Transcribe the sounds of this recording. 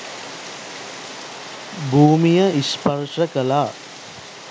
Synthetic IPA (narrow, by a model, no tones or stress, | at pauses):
bʱuːmijəispəɾʂəkəlaː